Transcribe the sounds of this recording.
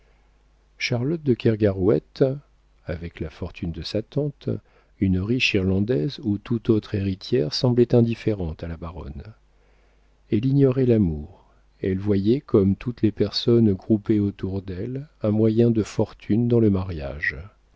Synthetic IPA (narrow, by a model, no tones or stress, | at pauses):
ʃaʁlɔt̪̚d̪əkʲɛʁɡaʁwɛt̪ | avɛklafɔʁt̪ʰynd̪əsat̪ɑ̃t̪ | ynʁiʃiʁlɑ̃d̪ɛzut̪ut̪ot̪χeʁit̪jɛʁsɑ̃blɛt̪ɛ̃d̪ifeʁɑ̃t̪alabaʁɔ̰n | ɛliɲjɔʁɛlamuʁ | ɛlvwajɛkʰɔmt̪ʰut̪lepɛʁsɔnɡʁupeot̪uʁd̪ɛlɛ̃mwajɛ̃d̪əfɔʁt̪ʰynd̪ɑ̃ləmaʁja̰ʒ